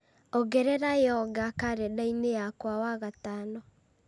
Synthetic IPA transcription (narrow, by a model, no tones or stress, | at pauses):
ɔɣɛɾɛɾajɔɡakaɾɛdainejakwawaɣatanɔ